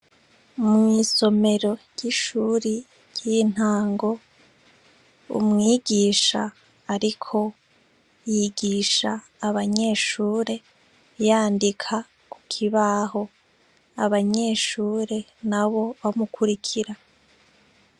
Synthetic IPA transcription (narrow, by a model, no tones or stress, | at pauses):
mŋiːso̞me̞ɾo̞jiʃuːɾi | jin̥haːŋɡo̞ | ṵmŋiːɡiːʃaː | ɾikʰo̞ | jiɡiːʃaː | βaɲe̞ːʃuːɾe̞ | jaːndikʰa | ku̥kʰiβaho̞ | aβaɲe̞ːʃuːɾe̞naβo̞βamukʰuɾikʰiɾa